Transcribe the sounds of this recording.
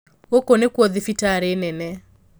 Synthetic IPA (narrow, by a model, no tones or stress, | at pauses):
wokonekwɔðɪfitaɾenɛnɛ